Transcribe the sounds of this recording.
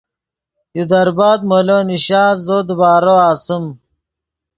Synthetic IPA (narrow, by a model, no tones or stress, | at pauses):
jud̪ɐɾbaːd̪̚moloːniɕaːzod̪ubaːɾoaːsum